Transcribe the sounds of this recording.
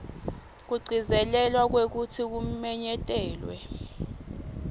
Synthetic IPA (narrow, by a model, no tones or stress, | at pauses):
k̬uɡ͡ǀʱizɛlɛlwak̬wek̬utʰik̬umɛɲɛtʼɛːlwɛ̰